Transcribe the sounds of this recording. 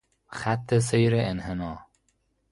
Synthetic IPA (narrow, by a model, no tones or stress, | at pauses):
xæt̪ʰːes̬ejɾeʔenhenɒː